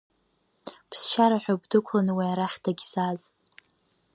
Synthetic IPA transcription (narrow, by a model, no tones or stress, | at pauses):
pʰsʃaɾaħʷᶣabdɨkʷʰlanwiaɾaχʲtʰaɡʲsaz